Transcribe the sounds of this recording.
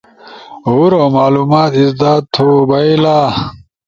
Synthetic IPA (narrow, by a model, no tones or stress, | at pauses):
ɦuɾomaːluːmaːt̪isd̪aːt̪ʰːobɐilaː